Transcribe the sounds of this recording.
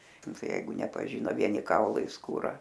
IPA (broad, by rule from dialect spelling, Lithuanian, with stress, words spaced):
ˈnʊ ˈtɐɪ ˈjɛɪɡʊ nʲɛpɐˈʒʲiːnoː ˈʋʲiɛnʲɪ ˈkɐʊlˠɐɪ skuːˈrɐ